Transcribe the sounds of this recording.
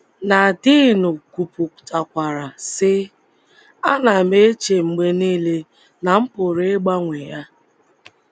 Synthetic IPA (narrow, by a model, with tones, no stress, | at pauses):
na˨dɪ˦˨nʊ˨ku˨pʊ˨kta˨kʷa˨ɾa˨sɪ˦ | a˦na˨me˦t͡ʃe˨ŋ͡m̩˨ɡ͡be˦niː˦le˦ | na˨m̩˦pʊ˨ɾe˦ɡ͡ba˦ŋʷe˨ja˦